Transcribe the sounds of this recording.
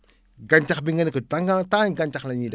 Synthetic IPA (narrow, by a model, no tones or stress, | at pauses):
ɡaɲt͡ʃakbiŋənkətaŋɡat̪anɡaɲt͡ʃaklaɲida